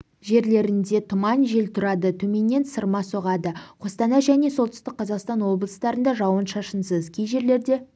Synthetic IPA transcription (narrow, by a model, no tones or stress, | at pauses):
ʒe̞ɾle̞ɾɪnd̪e̞t̪ʰʊmɑnʒe̞lt̪ʰʊɾɑd̪ət̪ʰɵme̞nːe̞nsəɾmɑso̞ʁɑd̪əqʰost̪ɑnɑʒæne̞so̞lˠt̪ʰʏ̥st̪ɪk̚qʰɑzɑqst̪ɑnwo̞blˠəst̪ɑɾənd̪ɑʒɑwənʃɑʃənsəzkʲʰijʒe̞ɾle̞ɾd̪e̞